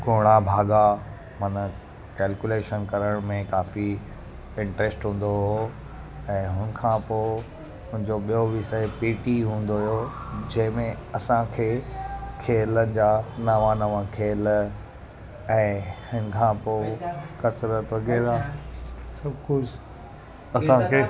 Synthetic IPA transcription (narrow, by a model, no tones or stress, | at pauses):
ɡoːɽ̃abʱaːɡa | mɐnə | kɛːlkjuleːʃənkɐɾəɽ̃mẽkaːfi | ɪ̃ɳʈɾesʈɦũːn̆d̪oɦɦo | ɛ̃ːɦʊnə̆kʰãːpoː | mʊ̃ɦɪ̃ɲd͡ʑoɓijoʋɪsəepiːʈiɦũːn̆d̪oɦijod͡ʑɐ̃ɦɪ̃mẽ | ɐsãkʰeːkʰeːlənɪ̆d͡ʑaːnɐʋãnɐʋãkʰeːl | ɛ̃ːhɪnə̆kʰãːpoːkɐsɾət̪ʋɐɡɛːɾaː | sɐbkʊ | ɐsãkʰeː